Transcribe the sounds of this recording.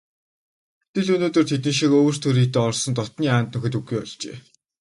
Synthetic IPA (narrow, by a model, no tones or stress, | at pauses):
t̪ʰĕɮɵnoːt̪ɵ̆r̥t̪ʰet̪̬ɘ̆nʃikoːr̥t̪ʰɵɾiːt̪eːɔrsɞ̆nt̪ɔt̪niːaːnt̪nɵ̆xɘ̆t̪ɵɡːujɔɮt͡ɕḛː